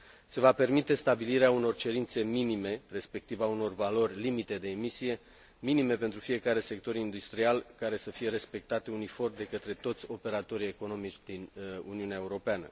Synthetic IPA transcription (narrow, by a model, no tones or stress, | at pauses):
se̞vape̞rmit̪e̞st̪abiliɾeauno̞rt͡ʃe̞ɾint̪se̞minime̞re̞spe̞k̚t̪ivauno̞rvalo̞rʲlimit̪e̞d̪e̞ːmisije̞ | minime̞pe̞nt̪ɾufije̞kaɾe̞se̞k̚t̪o̞ɾind̪ust̪ɾialkaɾe̞səfije̞ɾe̞spe̞k̚t̪at̪unifo̞rd̪e̞kət̪ɾe̞t̪o̞t̪sʲo̞pe̞ɾat̪o̞ɾie̞ko̞no̞mit͡ʃʲd̪inṵniuneae̞uɾo̞peanə̰